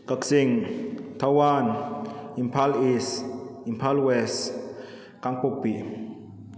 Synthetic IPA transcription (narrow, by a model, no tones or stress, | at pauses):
kəksiŋt̪ʰawanimpʰalisimpʰalwɛs | kaŋpopiʔ